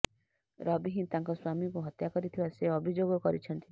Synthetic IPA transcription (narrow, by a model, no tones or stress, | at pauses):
ɾɔbiɦĩt̪aŋkɔswamikuɦɔt̪jakɔɾit̪ʰibaseɔbʱid͡ʒoɡɔkɔɾit͡ʃʰɔnt̪i